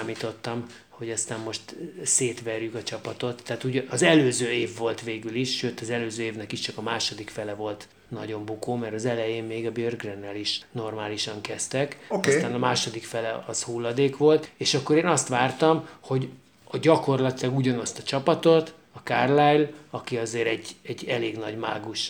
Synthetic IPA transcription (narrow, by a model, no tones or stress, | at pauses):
aːmiːt̪o̞t̪ːɒm | ho̞ɟɒst̪aːmːo̞ʃt̪seːt̪ʋɛrjykɒt͡ʃɒpɒt̪o̞t̪ʰːɛaːt̪uɟɒzɛløːzøːeːvːo̞lt̪ʋeːɡyliʃʃøːt̪ɒzɛløːzøːeːvnɛkiʃt͡ʃɒkɒmaːʃo̞d̪ikfɛlɛvo̞lt̪ | nɒ̰ɟo̞mbukoːmɛɾɒzɛlɛjeːmmeːɡɒbørɡrɛnːɛliʃno̞rmaːliʃɒŋkɛst̪ɛkɔst̪aːnɒmaːʃo̞d̪ikfɛlɛɒzhuːlːɒd̪eːkʋo̞lt̪eːʃɒkːo̞ɾeːnɒst̪ʋaːrt̪ɒmho̞ɟ | ɒɟɒko̞rlɒt̪ilɒɡuɟɒnɒst̪ɒt͡ʃɒpɒt̪o̞t̪ | ɒkaːrlajlɒkiɒzeːɾɛɟɛɟːɛleːɡnɒɟma̰ːɡuʃ